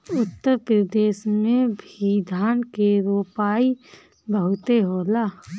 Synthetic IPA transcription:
ʊt̪ːəɾpɾəd̪eːsmẽbʱid̪ʱaːnkeɾuoːpaːi | bəɦʊt̪eɦoːlaː

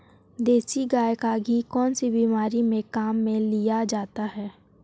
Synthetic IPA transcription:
d̪eːsiɡaːjkaɡʱikɔːnsibiːmaːɾimẽkaːmːẽlijad͡ʒaːt̪aɦɛː

